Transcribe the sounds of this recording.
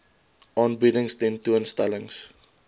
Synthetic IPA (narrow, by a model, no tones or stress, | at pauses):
ʔɑnbidəŋsdɛntuənstɛləŋs